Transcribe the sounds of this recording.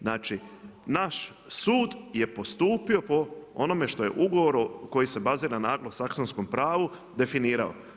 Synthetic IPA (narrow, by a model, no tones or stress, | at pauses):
naːt͡ʃinaʃ | suːd̪je̞po̞st̪uːpio̞po̞o̰no̞me̞ʃt̪o̞je̞̰ʔuɡo̞ʋo̞ɾuko̞jise̞baziːɾanaːɡlˠosaksonsko̞mpɾaːʋu | d̪e̞finiːɾa̰o̰